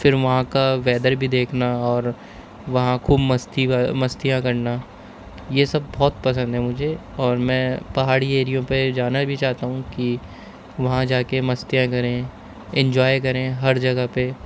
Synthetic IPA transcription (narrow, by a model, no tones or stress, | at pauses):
fɪɾʋɐɦãkaʋɛːd̪əɾbʱid̪eːkʰnaɔːɾ | ʋɐɦãkʰuːbmɐst̪iamɐst̪ijãkɐɾna | jesɐbːɔːt̪pɐs̬ə̃nd̪ɦɛmʊd͡ʒʱe | ɔːɾmɛ̃ːpɐɦaːɽieːɾijõped͡ʒaːnabʱit͡ʃaːt̪aɦũki | ʋɐɦãd͡ʒaːkemɐst̪ijãkɐɾẽ | ɛ̃ɲd͡ʒɔːjkɐɾẽɦɐɾd͡ʒɐɡəɦpe